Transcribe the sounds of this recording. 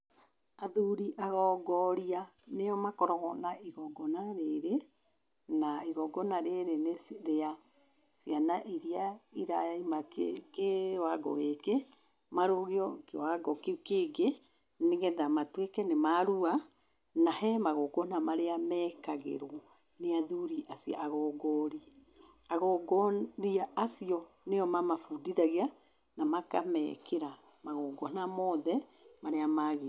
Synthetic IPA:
aðuɾiʔaɣɔːɡɔɾianejɔmakɔɾɔɣɔnaʔiɣɔɡɔnaɾeɾe | naiɣɔɡɔnaɾeɾenesɾea | sianaʔiɾiaiɾaimakewaɡɔ̰ɣeke | maɾoɣeɔkewaɡɔkekeɡe | neɣɛðamatwekɛnemaɾua | nahɛmaɣɔːɡɔnamaɾeamɛkaɣḛɾwɔ | neaðuɾiʔasia̰ʔaɣɔːɡɔɾi | aɣɔɡɔɾiaasiɔ | nejɔmamafudiðaɣea | namaka̰mɛ̰kʰeɾa | maɣɔːɡɔnamɔðɛmaɾeamaɣe

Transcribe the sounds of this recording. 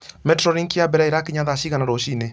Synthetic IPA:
mɛtɾɔɾiŋkiabɛɾaeɾakeɲaðaʃiɣanaɾɔʃine

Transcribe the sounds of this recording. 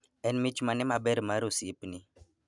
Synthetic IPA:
ɛnmit͡ʃmanɛmabɛɾmaɾosiipni

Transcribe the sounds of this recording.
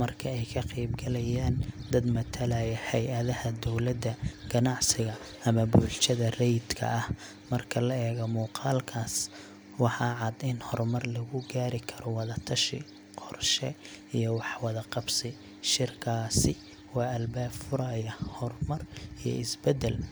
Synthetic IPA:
mɐrkʰɐɛjkʰɐqijbɡɐlɛjaːnd̪ɐd̪mɐt̪ʰɐlaːjɛhɛjʔɐðɐhɐd̪ɔwlɐd̪ːɐɡ̥ɐnɑʕsɪɣɐ | ɐmɐbuːlt͡ʃɐðɐrɛjd̪kʰɐ̰ɐh | mɐrkʰɐlɐɛːɣɐmuːqɑːlkʰaːs | wɑħɑːʕɑd̪ɪnhɔrmɐrlɐɣʊɡaːɾɪkʰɐɾɔwɑðɐt̪ʰɐʃɪ̰ | qʰɔrʃɛijɔwɑħwɑðɐqɑbsɪ | ʃɪrkʰaːsɪ | wɑːɐlbaːbfʊɾɐjɐhɔrmɐrijɔ̰ɪsbɛd̪ɛl

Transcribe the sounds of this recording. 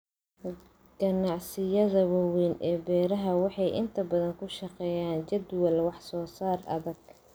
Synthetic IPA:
ɡ̥ɐnɑʕsɪjɐðɐwɐwɛːnɛːbɛːɾɐɦɐwɑħɑjʔɪ̰nt̪ʰɐbɐðɐŋkʰʊʃɐqɛːjaːnt͡ʃɐd̪wɐlwɑħsɔːsaːrɐ̰ðɐɡ̚

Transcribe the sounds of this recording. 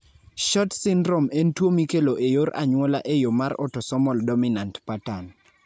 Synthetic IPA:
ʃɔtsɪndɾɔmentwomikeloʔejoɾʔa̰ɲwɔla̰ʔejomaɾɔ̰tɔsɔmɔldɔminantpatan

